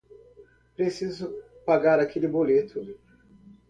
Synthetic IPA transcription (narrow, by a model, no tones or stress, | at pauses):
pɾesizʊpaɡaɾakʰelɪbolet̪ʰʊ